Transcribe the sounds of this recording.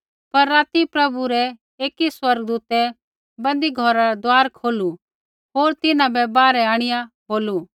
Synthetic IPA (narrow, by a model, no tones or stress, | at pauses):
pɐɾːaːt̪ipɾɐbuɾɛ | eːkiswɐɾɡd̪uːt̪ɛ | bɐ̃nd̪iɡʱɔɾaɾɛd̪aːɾkʰoːlu | ɦoːɾt̪ɪnãbɛbaːɾɛaːɽ̃ɪjaboːlu